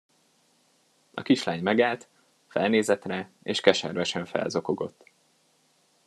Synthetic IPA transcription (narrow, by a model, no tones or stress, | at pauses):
ɒ̰kiʃlaːɲmɛɡaːlt̪ | fɛ̰lneːzɛt̪rɛ | eːʃkɛʃɛrvɛʃɛɱfɛ̰lzo̞ko̞ɡo̞̰t̪ː